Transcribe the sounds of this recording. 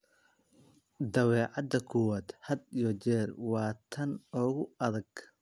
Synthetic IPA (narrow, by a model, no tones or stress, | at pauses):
d̪ɐwɛːʕɑd̪ɐkʰʊwɐd̪hɐd̪ijɔt͡ʃɛːrwɑːt̪ʰɐnɔːɣʊɐðɐɡ